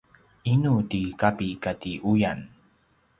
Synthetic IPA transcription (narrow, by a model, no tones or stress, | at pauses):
inutikapikatiʔujan